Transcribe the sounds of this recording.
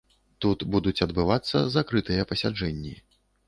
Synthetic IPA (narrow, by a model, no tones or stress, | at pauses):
t̪ut̪bud̪ut͡sʲɐd̪bɨvat̪sːɐ̰zakɾɨt̪ɨjɐpɐsʲad͡ʐɛnʲːi